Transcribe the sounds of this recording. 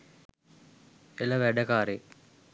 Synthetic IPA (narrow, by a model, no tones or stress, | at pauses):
elɐʋɛɖɐkaːɾe